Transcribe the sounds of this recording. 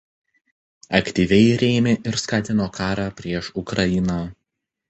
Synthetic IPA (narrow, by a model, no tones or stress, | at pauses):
ɐkt̪ʲiʋʲɛɪɾʲeːmʲeʔɪɾskɑːt̪ʲɪnoːkʰɑːɾɑːpʲɾʲiɛʃʊkɾɐɪnɑ